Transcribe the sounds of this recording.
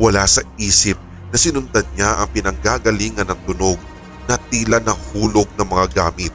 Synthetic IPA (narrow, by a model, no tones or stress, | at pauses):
wɐlaːsɐiːsɪp̚ | nɐsɪnʊnt̪ɐd̪̚ɲaʔɐŋpɪnɐŋɡaɡɐliːŋɐnɐŋt̪ʊnoɡ̚ | nɐt̪iːlɐnɐŋhuːloɡ̚nɐŋmɐŋaɡaːmɪt̪̚